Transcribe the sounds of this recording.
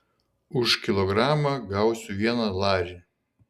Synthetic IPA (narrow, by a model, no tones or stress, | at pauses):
ʊʃkʲɪlˠɔɡɾɑːmɑɡɑˑʊsʲʊʋʲiɛnɐlˠɑːɾʲi